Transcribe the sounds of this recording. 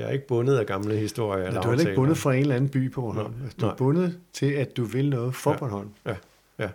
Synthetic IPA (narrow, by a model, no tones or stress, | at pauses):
æe̝ɡ̥əb̥ɔ̽nð̞̩ˠæɡ̥ɑ̈mləhisd̥o̝ɐ̰jduhæelɐeɡɡbɔ̽nð̩ˠfʁɑ̈e̝nlænn̩b̥y̰ːpʰɒb̥ɒnɦɒ̽n̰d̥ub̥ɔ̽nð̩ˠt͡sʰe̝læd̥uʋe̝lnɔ̽ːð̩ˠfɒːb̥ɒ̽nhɒ̽n̰